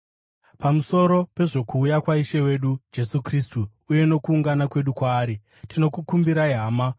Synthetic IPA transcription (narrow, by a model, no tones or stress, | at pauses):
pamuso̞ɾo̞pe̞ʐo̞kuːjakwaiʃe̞we̞ɗud͡ʒe̞sukristuː | je̞no̞kuːŋɡanakwe̞ɗukwaːɾi | tʰino̞kukumbiɾaiɦaːma